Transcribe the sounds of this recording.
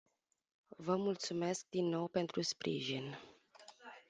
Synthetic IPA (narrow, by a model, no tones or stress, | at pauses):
vəmult̪sumesk̚d̪inːo̞wpe̞nt̪ɾuspɾʔḭʒin